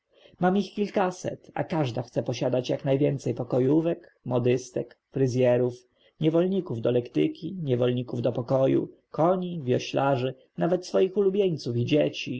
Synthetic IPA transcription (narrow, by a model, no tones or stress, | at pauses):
mamixkʲilkasɛ̰t̪a̰kaʐd̪axt̪sɛpɔɕad̪at͡ɕjaknajvʲjɛnt̪sɛjpɔkɔjuvɛk | mɔd̪ɘst̪ɛkfɾɘzʲjɛɾuf | ɲɛvɔlɲikuvd̪ɔlɛkt̪ɘkʲiɲɛvɔlɲikuvd̪ɔpɔkɔjṵ | kɔɲivʲjɔɕlaʐɘ | navɛt̪sfɔjixulubʲjeɲt̪sufid͡ʑet͡ɕi